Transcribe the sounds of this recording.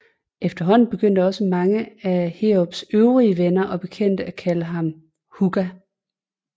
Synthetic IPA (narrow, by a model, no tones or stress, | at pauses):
ʔefd̥ɐɦɒ̽n̰n̩b̥e̝ɡ̥øn̰d̥əɒ̽səmɑ̈ŋəæheob̥søʊʁiəʋenɐʔɒ̽b̥e̝kʰen̰d̥əækʰæləɦɑ̈m | huɡ̥æ